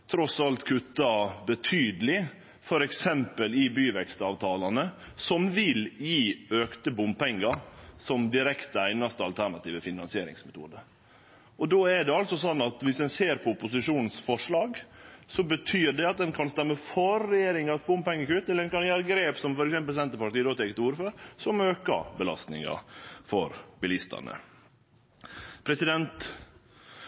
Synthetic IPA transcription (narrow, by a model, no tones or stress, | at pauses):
t̪ʰɾɔsɑlt̪kʰʉt̪ːɑbət̪ʰyːd̪əlɪ | fɔɾɛksɛmpəlɪbyːʋɛkst̪ɑːʋt̪ʰɑːlɑnə | sɔmʋɪljiːøːkt̪əbʊmpɛŋːɑɾsɔmd̪ɪɾɛkt̪əæɪnɑst̪əɑlt̪ʰæɳɑt̪iːʋəfɪnɑnsɪeːɾɪ̰ŋsmɛt̪ʰṵːd̪ə | ɔd̪oːɛɖ̪ɛɑlsɔsɔnːɑt̪ʋɪsd̪ɛnseːɾpʰɔʊpʊsɪʂuːnn̩sfɔʂɭɑːɡsɔbət̪ʰyːɾɖɛɑt̪̚d̪ɛnkʰɑnst̪ɛmːəfɔɾːɛjeːɾɪŋɑspɔmpɛŋːəkʉt̪ːɛləɾɛnkɑnjæːɾəɡɾeːpsɔmfɔɾɛksɛmpəlsɛnt̪əpɑʈ̪iːəd̪oːt̪ʰɛːkət̪uːɾføːɾsɔmøːkɑ̰bəlɑ̰st̪nɪ̰ŋɑ̰fɔɾbɪlɪst̪ɑ̰nə̰ | pʰɾɛsɪd̪ɛnt̪